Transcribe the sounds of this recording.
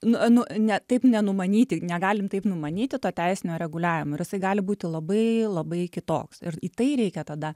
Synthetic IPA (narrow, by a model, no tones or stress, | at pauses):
nʊnʊnʲɛt̪ɐɪpnʲɛnʊmɐnʲiːt̪ʲɪnʲɛɡɑːlʲɪmt̪ɐɪpnʊmɐnʲiːt̪ʲɪt̪oːt̪ʲɛɪsʲɪnʲoːɾʲɛɡʊlʲæːʋʲɪmoːɪɾjɪsɐɪɡɑːlʲɪbuːt̪ʲɪlˠɐbɐɪlˠɐbɐɪkʲɪt̪o̰ːksɪriːt̪ɐɪɾʲɛɪkʲɛt̪ɐd̪ɐ